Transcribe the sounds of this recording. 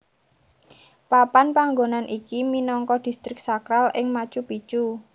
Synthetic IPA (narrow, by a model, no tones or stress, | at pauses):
papanpaŋɡonanʔikiminɔŋkɔd̥i̤st̪ɾɪk̚sakɾalɪŋmat͡ʃupit͡ʃu